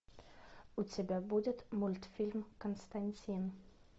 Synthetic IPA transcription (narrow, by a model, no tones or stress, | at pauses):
ut͡sebɛbudətmʊlt̪fɪlmkʰɔnst̪ant͡sin